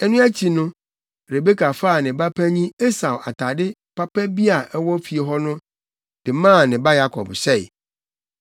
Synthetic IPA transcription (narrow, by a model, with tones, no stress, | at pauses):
ɛ˦nũ˦æ˦t͡ɕʰi˨nʊ̃˦ | ɾe˨be˦kʰa˨faː˦˨nɪ̃˨ba˦pʰæ˦ɲĩ˦e˦sa˨wʔa˨tʰa˨dɪ˦pa˦pɛ˦bi˦a˨ʔɛ˦wɔ˦fi˨e˨ɦɔ˦nʊ̃˦ | d̥ɪ˨mãː˦˨nɪ̃˨ba˦ja˦kʰɔ̰˨bɕɛ˦˨ɪ̰˨